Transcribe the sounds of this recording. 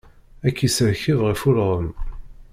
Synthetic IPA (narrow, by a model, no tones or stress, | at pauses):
ækːisəɾçivʁifulʁəm